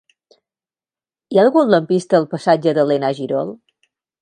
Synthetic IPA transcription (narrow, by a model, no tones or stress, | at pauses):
ialˠɣuuləmpist̪əːlˠpəsad͡ʒəðəlenaʒiɾɔlˠ